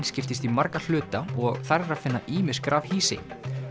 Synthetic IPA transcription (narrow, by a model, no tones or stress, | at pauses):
nscɪft̪ɪst̪imaɾkal̥ʏːt̪aɔɣθarrafɪnːaʔiːmɪskɾavhiːsɪ̰